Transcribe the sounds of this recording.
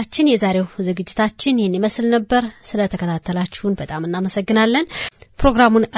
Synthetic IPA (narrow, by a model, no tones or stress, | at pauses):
at͡ʃːɪnjɛzaɾe̞wzɨɡɨd͡ʒːɪt̪ʰat͡ʃːɪnjhɛnːiməslnəbːəɾsɨlət̪ʰəkʰət̪ʰat̪ʰːəlat͡ʃːɪhunbət̪ʼamɨnːaməsəɡːɨnalːənpɾo̞ɡɾamun